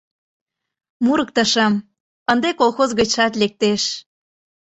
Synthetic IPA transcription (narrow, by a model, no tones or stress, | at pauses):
muɾɤk̚t̪ɤʃɑm | ənd̪ekolˠxozɣət͡ɕʃɑt̪lek̚t̪eʃ